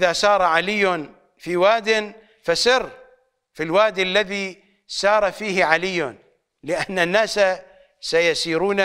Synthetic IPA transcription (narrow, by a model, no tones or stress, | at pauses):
ðasɑːɾˤʕalɪjːan | fiwaːd̪ɪn | fasɪr | filwaːd̪alːaði | sɑːɾˤɑfiːhɪʕalɪjːan | lɪʔanːanːaːsa | sajasiːɾuːna